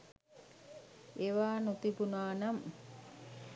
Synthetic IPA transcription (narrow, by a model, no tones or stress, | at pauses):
eʋaːnut̪ibunaːnam